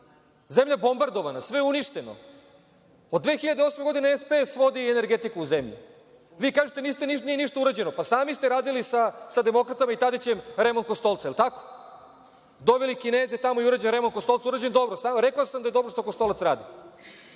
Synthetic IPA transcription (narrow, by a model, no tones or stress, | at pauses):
zemʎabo̞mbaɾd̪oʋanasʋeuniʂt̪eno̰ | od̪d̪ːʋe̞ːxiʎad̪eosmeɡo̞d̪ineespesʋo̞d̪iene̞ɾɡet̪ikuuzemʎḭ | ʋiːkaːʒet̪enist̪eniʃnijeniʃt̪auɾad͡ʑenopasaːmist̪eɾaːd̪ilisasad̪e̞mo̞kɾat̪amait̪ad̪et͡ɕemɾemond̪kost̪o̞lˠt̪saelt̪ako̥ | d̪oʋelikineːzet̪amo̞iuɾad͡ʑenɾemon̚kost̪o̞lˠsauɾad͡ʑend̪o̞bɾosaːɾekaosamd̪ajd̪o̞bɾoʂt̪okost̪o̞lˠat̪sɾaːd̪i